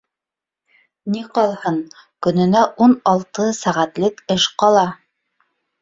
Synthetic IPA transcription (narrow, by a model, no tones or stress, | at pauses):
niqɑlˠhɤɴ | kɵ̆nɘ̆næʔunɑlˠt̪ɤsæʁæt̪lɘkɘʃqɑlˠɑ